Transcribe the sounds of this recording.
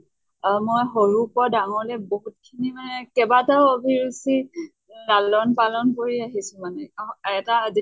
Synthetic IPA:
mojɦoɹupɔdaŋɔlɛboɦut̚kʰinimanɛkɛbataʊobʱiɹusi | lalɔnpalɔnkoɹiaɦisʊ̃manɛaɛtaːzi

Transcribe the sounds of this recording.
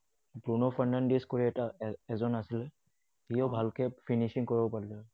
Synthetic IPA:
bɹunɔfʰandandiskoɹiɛtaɛzɔnasilɛ | ijɔbʱalkɛpʰinisiŋkɔɹibɔpaɹilɛ

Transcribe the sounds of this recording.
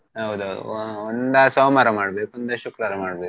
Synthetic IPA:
ɦɐwd̪uɦɐwd̪ṵɔnd̪ɐsoːmaɾɐmaːɽbeːkond̪ɐʃukɾaːɾɐmaːɽbeːku

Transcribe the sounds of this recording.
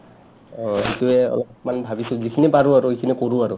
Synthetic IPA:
ɦituɛɔ̰lɔp̚manbʱabisʊzikʰinipaɹʊaɹʊekʰinikoɹuaɹʊ

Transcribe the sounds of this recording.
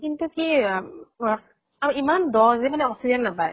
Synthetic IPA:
kint̪uki | aməimandɔzɛmanɛɔsiaŋnapaj

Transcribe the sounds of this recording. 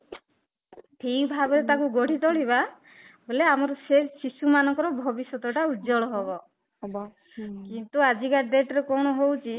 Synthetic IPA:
ʈʰikbʱabɔɾet̪akuɡɔɽ̤it̪ɔɽiba | boleamɔɾɔsesisumanɔŋkɔɾɔbʱɔbisjɔt̪ɔʈaud͡ʒɔɭɔɦebɔ | kint̪uad͡ʒikaɖeʈɔɾekɔɽ̃ɔɦowt͡ʃʰi

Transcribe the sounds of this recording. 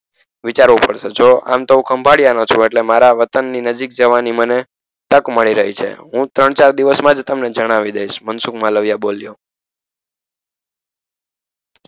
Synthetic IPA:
ʋit͡ʃaɾʋupəɽʃed͡ʒoa̰mt̪əʋũkʰəmbʱaɽijanot͡ʃʰũeʈlemaɾaʋət̪ənːinəd͡ʒik̚d͡ʒəʋaniməne | t̪əkməɭiɾəɦit͡ʃʰḛɦũt̪ɾəɳ̃t͡ʃaɾd̪iʋəsmãd͡ʒt̪əmned͡ʒəɽ̃aʋid̪ejʃmənsukmãləʋjaboljo

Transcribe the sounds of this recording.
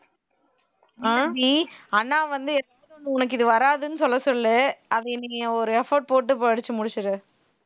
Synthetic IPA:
aɡiɐnːãːʋɐnd̪ɯɛɾaːɔnːɯ̃ʊnɐk̬ːɪðɯʋɐɾaːðɯnɯsɔlːɐsɔlːɯʔɐðɯɪniŋɐɔɾɯɛfoːɖ̚poːʈ̬ːɯpoɽɯt͡ʃːɯmʊɽɪt͡ʃːɯɾɯ

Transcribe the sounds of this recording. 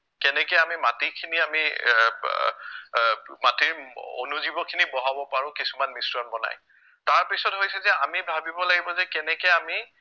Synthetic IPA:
kɛnɛkɛjamimatikʰiniami | matiɹo̰nuzibɔkʰinibɔɦabɔpaɹʊ̃kisumanmisɹɔnbɔna̰j | taɹpisɔtɦojsɛzɛamibʱabibɔlaɡibɔzɛkɛnɛkɛami

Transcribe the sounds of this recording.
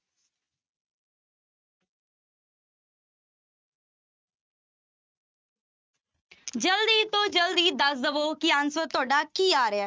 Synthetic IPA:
d͡ʒəld̪iːt̪õːd͡ʒəld̪iːd̪əsd̪əʋoːkɪansəːt̪ʊaːɖaːkiːaːɾeaː

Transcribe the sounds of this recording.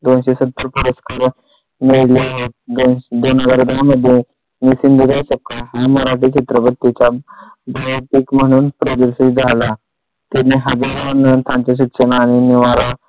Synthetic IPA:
d̪onɕesət̪ːəɾpəɾəskaɾ | miɭljaɦot̪̚d̪ond̪onaɡaɾd̪aməd̪ʱːje | nisind̪ʱud͡zajɕəkːaɦaməɾaʈit͡ɕʰit̪ɾəbət̪ːit͡ɕa | baɦt̪ikməɽ̃uːnpɾəd̪əɾsid͡zʱala | t̪eneɦəd͡zaɾənt̪ʰãnt͡ɕeɕ̬itɕənaːɽ̃iniʋaɾa

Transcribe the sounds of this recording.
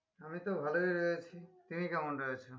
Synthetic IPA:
amit̪obʱalojɾojet͡ɕʰit̪inikɛmonɾojet͡ɕʰo

